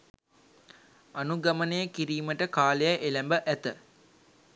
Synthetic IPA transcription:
anuɡamənejəkiɾiːməʈəkaːlejəʔelæmbəʔæt̪ə

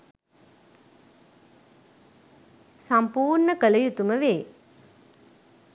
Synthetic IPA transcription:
sampuːrɳəkələjut̪uməʋeː

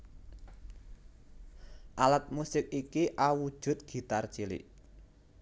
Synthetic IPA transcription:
ʔalat̪̚musɪk̚ikiʔawud̥ʒ̥ʊ̤t̪̚ɡ̥i̤t̪art͡ʃilḭʔ

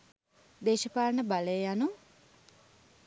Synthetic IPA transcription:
d̪eːʃəpaːlnəbalejjanu

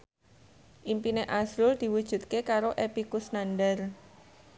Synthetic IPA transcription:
ʔimpineʔasɾʊld̪̥i̤wud̥ʒ̥ṳt̪̚kekaɾoʔepikusnanɖər

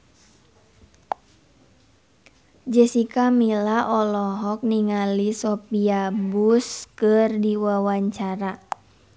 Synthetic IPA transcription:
d͡ʒɛsikamilaʔɔlɔɦɔk̚niŋalisɔpiabuskɨrdiwawaɲt͡ʃaɾa

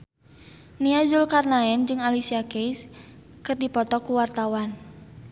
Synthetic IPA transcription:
niazulkarnaɛnd͡ʒɨŋalisiakejs | kɨrdipɔt̪ɔkuwart̪awan

